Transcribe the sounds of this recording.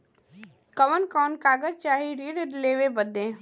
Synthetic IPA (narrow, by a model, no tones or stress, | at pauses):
kɐʋənkɔːnkaːɡəɾt͡ʃaːɦiɾiɾedleːʋebəd̪ːẽː